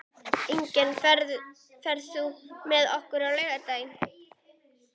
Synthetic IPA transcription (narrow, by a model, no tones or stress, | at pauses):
iɲcɛn | fɛɾðθumɛðɔhkʏɾawleːɣat̪aːjɪn